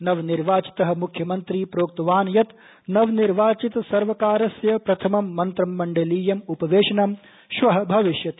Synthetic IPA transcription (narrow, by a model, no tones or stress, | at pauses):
nɐʋniɾʋaːt͡ʃi̥t̪ɐɦɐ̆mukʰjɐmɐnt̪ɾiːpɾoːk̚t̪ɐʋaːnjɐt̪ | nɐʋniɾʋaːt͡ʃit̪sɐɾʋɐkaːɾɐsjɐpɾɐt̪ʰɐmɐmːɐnt̪ɾɐmːɐɳɖɐliːjɐmupɐʋeːʃɐnɐm | ʃʋɐɦɐbʱɐʋiʃjɐt̪